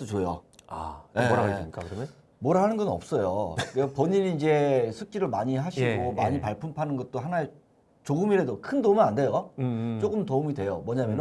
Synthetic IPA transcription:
t͈ot͡ɕojo̰a̰jeaik͈akɯɾome | moɾaɦanɯnɡʌnʌ̰p̚s͈ʌjo̰kepoɲiɾiːnd͡ʑe̞sʰuk͈iɾɯɭmaɲiɦaɕʰiɡomaɲipaɭpʰumpʰanɯnɡʌt̚t͈oɦanae | t͡ɕoɡɯmiɾedokʰɯndomɯnande̞jot͡ɕ͈oɡɯmtoumidwe̞jomʌɲamjʌn

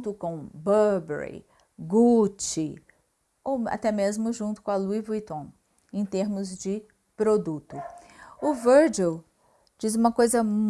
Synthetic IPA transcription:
t̪ʊkõw̃bɐɾbɛ̰ɾḭ | ɡut͡ʃɪ | owa̰t̪ɛmezmʊʒũnt̪ʊkõɐluivujt̪õ | ẽj̃t̪eɾmʊzd͡ʒɪ | pɾod̪ut̪ʊʊvəɾd͡ʒew | d͡ʒizũmɐkojzɐ

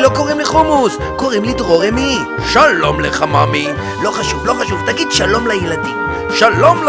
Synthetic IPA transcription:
lo̞koʁimleχumus | ko̞ʁimlit̪ʁoʁemi | ʃalo̞mleχamami | lo̞χaʃuvlo̞χaʃuvt̪aɡid̪ʃalo̞mlajelad̪im | ʃalo̞ml

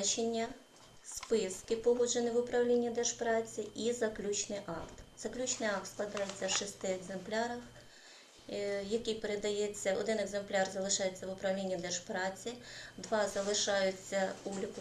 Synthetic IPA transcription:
t͡ʃenʲːɐ | spɪskɪpɔɦɔd͡ʒenɪʋʊpɾɐwlʲinʲːid̪ɛʒpɾɑt͡sʲiʔizɐklʲut͡ʃnɪjʔɑkt̪z̥ɐklʲut͡ʃnɪjɑk̚t̪sklˠɐd̪ɑjet͡sʲːɐʃɪst̪ɪeɡzemplʲɑɾɐx | jɐkipeɾed̪ɐjet͡sʲːɐɔ̰d̪ɪnɛɡzemplʲɑrzɐlˠɪʃɑjet͡sʲːɐʋʊpɾɐwlʲinʲːid̪ɛʃpɾɑt͡sʲid̪ʋɑzɐlˠɪʃɑjʊt͡sʲːɐublʲikʊ

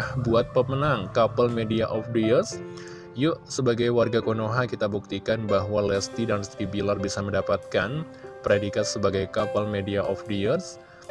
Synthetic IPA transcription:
hbuat̪̚pəmənaŋkapalmediaʔɔfdiərs | jʊʔsəbaɡajwarɡakonoɦakit̪abuk̚t̪ikanbaɦwalɛst̪idanst̪ɾibilarbisaməndapat̪̚kan | pɾedikassəbaɡajkapalmediaʔɔfdiərs

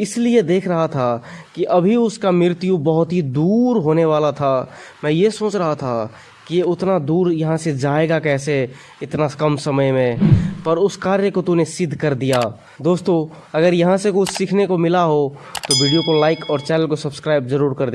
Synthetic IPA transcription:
ɪslied̪eːkʰɾɐɦat̪ʰakiʔɐbʱiʊskamɪɾt̪ijũbɐɦʊt̪ɦid̪uːɾɦoːneʋaːlat̪ʰamɛ̃ːjesoːt͡ʃɾɐɦat̪ʰa̰ | kijeʊt̪nad̪uːɾjɐɦãsed͡ʒaːeɡakɛːse | ɪt̪nakɐmsɐməjmẽpɐɾʊskaːɾjəkot̪unesɪd̪ʱkɐɾd̪ijaː | d̪oːst̪o | ɐɡəɾjɐɦãsekʊt͡ʃʰsikʰnekomɪlaɦot̪oʋiːɖijokolaːɪkɔːɾt͡ʃɛːnəlkosɐbskɾaːɪbzɐɾuːɾkɐɾd̪e

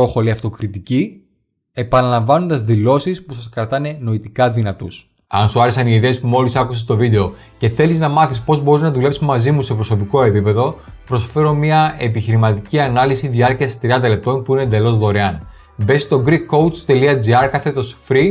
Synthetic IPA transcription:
o̞xo̞liɐft̪o̞kɾit̪ici | e̞pɐnɐlɐɱvɐno̞nd̪ɐzðilo̞sispusɐskɾɐt̪ɐne̞no̞it̪ikɐðinɐt̪ṵs | ɐnsuɐɾesɐniiðe̞ːspumo̞lisɐkusest̪o̞vid̪e̞o̞ | ce̞θe̞liznɐmɐθispo̞zbo̞ɾiznɐðule̞psimɐzimuse̞pɾo̞so̞piko̞e̞pipe̞ðo̞pɾo̞sfe̞ɾo̞mɐe̞piçiɾimɐt̪iciɐnɐlisiðiɐɾciɐst̪ɾiɐnd̪ɐle̞p̚t̪o̞npuinend̪e̞lo̞zðoɾeɐn | be̞st̪o̞ɡɾikːo̞wt͡st̪e̞liɐd͡ziɐɾkɐθet̪o̞sfɾi

